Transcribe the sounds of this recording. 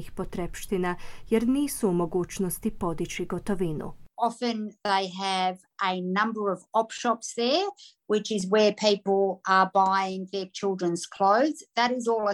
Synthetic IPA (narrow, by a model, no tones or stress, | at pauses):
ixpot̪ɾepʃt̪inajeɾniːsuːmo̞ɡuːt͡ʃnost̪ipo̞d̪it͡ɕiɡot̪oʋinṵɑfɨ̃nðeɪəv | ʔənʌ̃mbə˞ʌvɔpʃɑpsðə˞ | wɪt͡ʃɪzwə˞pʰiˑpl̩ˠʔə˞baɪɪ̃ŋðə˞t͡ʃʰɪlˠdɹə̃nz̥kʰl̥oʊðz̥ðəɾɪzɔlˠə